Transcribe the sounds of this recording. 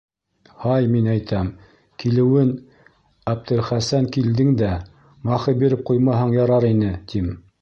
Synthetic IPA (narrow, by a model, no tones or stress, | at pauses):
hɑjminæjt̪ʰæm | kilɘ̆wɘn | æb̚t̪ɘ̆ɾχæsæŋkild̪ɘŋd̪æ | mɑχɤbiɾɘp̚qujmɑɦɤɴjɑɾɑɾinɘt̪ʰim